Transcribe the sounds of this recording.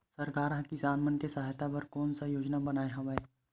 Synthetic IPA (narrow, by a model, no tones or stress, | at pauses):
sɐɾkaːɾɦãkid͡ʒaːnməntesaːɦɪt̪abɐɾkɔːnsajoːd͡ʒnabɐnaːeɦɐ̃ʋeː